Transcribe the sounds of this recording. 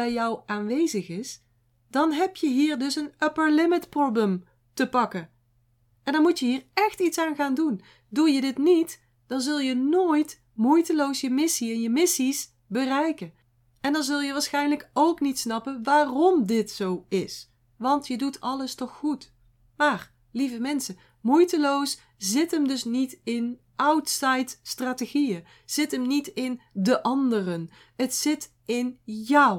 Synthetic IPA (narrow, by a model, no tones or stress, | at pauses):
ɛjjɔwaːnʋejzəχɪs | dɑnɦɛpjəɦiːɹdɵsənəpəɹlɪmɪtprobləm | təpɑkən | ɛndɑnmutjəɦiːɹɛxtitsaːnχaːndun | dujədɪtnit | d̥ɑnzɵlˠjənoːjt | mujtəlowsjəmɪsiɛnjəmɪsis | bərɛjkən | ɛndɑnzɵlˠjəʋaːɹsxɛjnləkowknitsnɑpənʋaːrɔmdɪtsowɪs | ʋɑntjədutʰɑləstɔχːut | maːr | livəmɛnsə | mujtəlows | zɪtəmdɵsnitɪn | ʔawtsɑjtstraːteχijə | z̥ɪtəmnitɪndəʔɑndərən | ətsɪt | ɪnjʌw